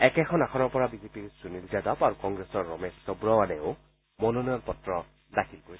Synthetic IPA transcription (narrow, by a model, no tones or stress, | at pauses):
ɛkɛkʰɔnakʰɔnɔɹpɔɹabizepiɹsunilzadapaɹukɔŋɡɹesɔɹːɔmessɔbɹɔwanɛʊ | mɔnɔnɔjɔnpɔtɹɔ | dakʰilkoɹi